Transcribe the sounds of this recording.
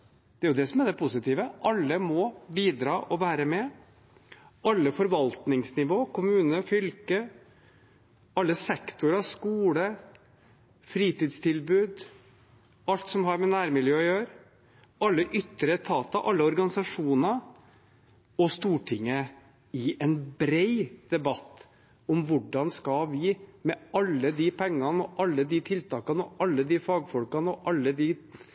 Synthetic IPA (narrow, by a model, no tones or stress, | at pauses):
d̪̥ɛæɾjʊd̪ɛsɔmæd̪ɛpʰʊsɪt̪iːʋəʔɑlːəmɔbiːd̪ɾɑːʔɔʋæːɾəmɛ | ʔɑlːəfɔɾʋɑlt̪nɪŋsnɪʋoːkʰʊmʉːnəfʏlkə | ɑlːəsɛkt̪ʊɾɑskuːlə | fɾiːt̪iːd̪st̪ʰɪlbʉːd̪ | ɑlt̪sɔmɦɑɾmɛnæːɾmɪljøːɔjøːɾ | ɑlːəʔʏt̪ːəɾət̪ʰɑːt̪ɑʔɑ̰lːəɔɾɡɑnɪsɑʂuːnɑ | ɔst̪uːʈʰɪŋːə | ɪʔɛnbɾeɪd̪̥ɛbɑt̪ː | ɔmʋʊɖɑnskɑʋɪmɛɑlːəd̪ipʰɛŋːɑnəɔʔɑlːəd̪ɪt̪ʰɪlt̪ʰɑːkɑnɔʔɑlːəd̪ɪfɑːɡfɔlkɑnɔʔɑlːəd̪ɪ